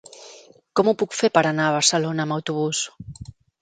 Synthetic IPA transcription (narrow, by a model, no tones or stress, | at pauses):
komupukfeɾpaɾanaːβ̞aɾselonaːmawt̪uβus